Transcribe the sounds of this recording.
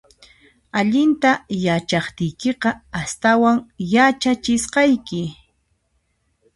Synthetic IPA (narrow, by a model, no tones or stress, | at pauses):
aʎɪnt̪ajat͡ʃɑχt̪ɪjkeqɑast̪awaŋjat͡ʃat͡ʃɪsqɑjkɪ